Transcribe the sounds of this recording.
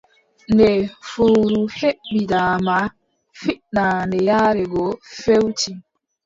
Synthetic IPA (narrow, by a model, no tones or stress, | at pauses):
ndɛfoːɾuheɓːidaːma | fiʔnandɛjaːɾɛɡɔfewti